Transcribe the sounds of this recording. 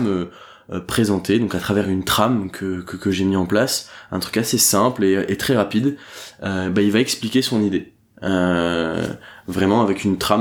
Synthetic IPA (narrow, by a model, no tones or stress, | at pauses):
mø | pχezɑ̃t̪ed̪ɔ̃kat̪χavɛʁynt̪χamkʰəkəkəʒemiɑ̃plasɛ̃t̪χy̥kasesɛ̃pleøʔet̪χɛʁapid̪øbailvaɛksplikʲesɔ̃nid̪e | ø | vʁɛmɑ̃avɛkynt̪χam